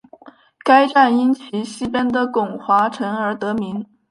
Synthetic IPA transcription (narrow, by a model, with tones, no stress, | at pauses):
ka˥ɪʈ͡ʂa˥˩ni˥nt͡ɕʰi˧˥ɕi˥pɛ˥nd̪ə˨kʊ˨˩ŋxwa˧˥ʈ͡ʂʰɤ˧˥ŋə˞˧˥t̪ɤ˧˥mi˧˥ŋ